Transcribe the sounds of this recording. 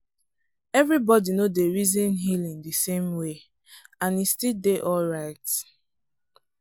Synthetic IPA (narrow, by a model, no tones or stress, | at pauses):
ɛvɹibɔdinodeɹizɔ̃nɦilĩŋdisẽmwe | ãnistildeʔɔlɹaɪt